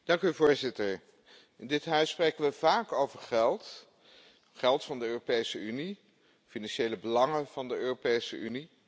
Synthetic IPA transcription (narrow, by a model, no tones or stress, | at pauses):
d̥ɑŋkyvʊːɹzɪtəɹ | ɪndɪtɦœɥsːprejkənʋəv̥aːkowvəɹχɛlˠt | χɛlˠtfɑndəøːropejsəyni | finɑnʃejləbəlɑŋəv̥ɑndəøːropejsəʔyni